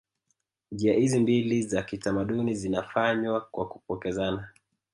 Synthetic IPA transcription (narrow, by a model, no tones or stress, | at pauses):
ʄiahizimbilizakitamaɗunizinafaɲwakwakupɔkɛzana